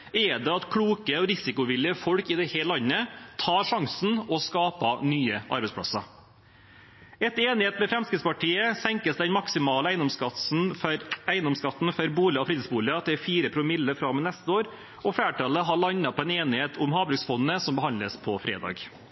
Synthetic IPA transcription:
ɛd̪ɛɑt̪kʰɽuːkəɔɾɪsɪkʊʋɪlːɪəfɔɽkɪd̪ɛheːlɑnːət̪ʰɑːɾʂɑŋsn̩ɔskɑːpɑnyːəʔɑ̰ɾbɛɪspʰɽɑ̰sɑ | ɛt̪eːnɪheːt̪mɛfɾɛmskɾɪt̪spɑʈʰiːəsɛŋkəsd̪ɛnmɑksɪmɑːləæɪnd̪ɔmskɑsn̩æɪənd̪ɔmskɑt̪ːn̩fœɾbuːlɪɑɔfɾiːd̪nsbuːlɪɑt̪ʰɪɛfiːɾəpʰɾʊmɪlːəfɾɑmɛnɛst̪əoːɾ | ɔfæːʈɑləɦɑɭɑɲːɑpʰɔɛneːnɪheːt̪ʰʊmhɑːbɾʉksfɔnːəsɔmbəhɑnd̪ləspʰɔfɾḛːd̪ɑ̰ːɡ

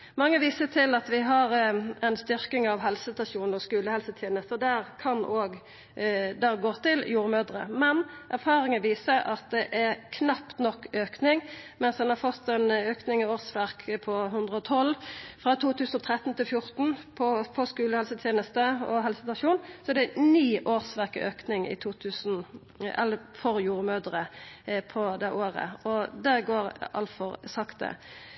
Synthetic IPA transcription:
mɑŋːəʋiːsət̪ʰɪlɑt̪ʋɪɦɑɾɛnst̪ʏɾkɪŋɑʋɦɛlsəst̪ɑʃuːnɔskʉːləhɛlsət̪ʰjeːnəst̪əd̪æːɾkʰɑnoːɡ | d̪æɡoːt̪ɪljuːɾəmøːd̪ɾə̰mɛnʔæɾfɑːɾɪŋənʋiːsəɾɑ̰t̪̚d̪ɛʔæɾkʰnɑpt̪nɔkːøːknɪŋmɛnsd̪ɛnhɑʁfɔt̪ːɛnøːknɪŋɪoːʁsʋæɾkʰpʰɔɦʉnd̪ʁəɔt̪ʰɔlːfʁɑt̪ʰuːt̪ʰʉːsn̩ɔt̪ʰʁɛt̪ːn̩t̪ɪlfjʊɾt̪n̩pʰɔfɔskʉːləhɛlsət̪ʰjeːnəst̪əɔɦɛlsəsɪt̪ʋɑʃuːnsɔɛd̪ɛæniːʔoːʁsʋæʁkɪ̰øːknɪŋɪ̰t̪ʰuːt̪ʰʉːsn̩ | ɛ̰lfɔɾjuːɾəmøːd̪əʁəpʰɔd̪ɛʔoːʁə̰ɔd̪æɡoːʁʔɑ̰lt̪fɔʁsɑkt̪̚d̪ɛ̰

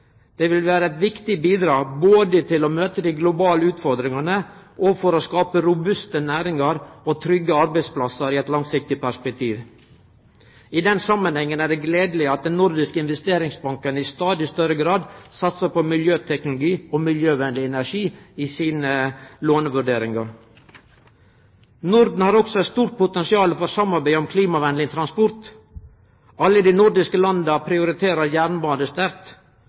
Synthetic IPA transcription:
d̪̥ɛʋɪlʋæːɾəɛɪt̪ʋɪkt̪ɪbiːd̪ɾɑːboːd̪ət̪ʰɪlɔmøːt̪əd̪ɪɡlʊbɑːləʉːt̪fɔɾd̪ɾɪŋɑnəʔɔfɔɾɔskɑːpəɾʊbʉst̪ənæːɾɪŋɑɾɔt̪ʰɾʏɡːəɑɾbæɪspʰlɑsəɾɪɛt̪lɑŋsɪk̚t̪ɪpʰæʂpɛk̚t̪ʰiːʋ | ɪd̪ɛnsɑmːənhɛŋːənæɖɛɡleːd̪l̩ɪɑt̪̚d̪ɛnnːʊɾd̪ɪskəɪnʋɛst̪eːɾɪŋsbɑŋkənɪst̪ɑːd̪ɪst̪œɾəɡɾɑːd̪sɑt̪səpɔmɪljøːt̪ʰɛknʊlʊɡiːɔmɪljøːʋɛnd̪lɪɛnæʂiːisiːnəloːnəʋʉɖeːɾɪŋɑɾ | nʊɾd̪n̩hɑːɾɔksɔɛt̪st̪uːɾ̚pʰʊt̪ɛnsɪɑːlfɔɾsɑmɑɾbæɪɔmkʰliːmɑʋɛnlɪŋt̪ʰɾɑnspɔɾt̪ | ɑlːəd̪inʊɾd̪ɪskəlɑnd̪əpʰɾɪʊɾɪt̪ʰeːɾəɾjæːɾɳbɑːnd̪əst̪æɾt̪

